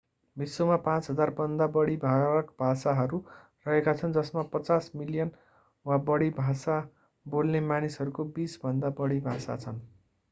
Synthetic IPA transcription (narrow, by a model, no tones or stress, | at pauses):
bisːomapãt͡sɦʌd͡zarbʌnd̪abʌɽibʱakbʱasaɦʌɾu | rʌɦekat͡sʰʌnd͡zʌsmapʌt͡sasmilijʌn | wabʌɽibʱasa | bolnemanisʌɾukobisbʱʌnd̪abʌɽibʱasa̰t͡sʰʌn